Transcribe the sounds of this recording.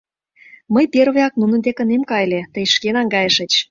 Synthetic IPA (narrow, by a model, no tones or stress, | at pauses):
məjperβeɑknunə̆nd̪ekə̆nemkɑjlet̪əjʃkenɑŋɡɑjəʃə̆t͡ɕ